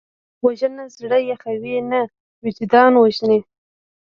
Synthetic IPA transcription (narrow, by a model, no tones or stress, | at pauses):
waʒənazɽəjaxawina | wɪd͡ʒd̪ɑnwaʒne